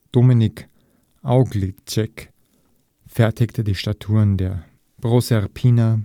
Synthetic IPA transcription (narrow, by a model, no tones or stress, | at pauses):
d̥omɪnɪk | ʔaʊɡlit͡ʃɛk | fɛɐtɪktʰədiːʃtatʰuːʁndeːɐ | b̥ʁosɛʁpʰiːna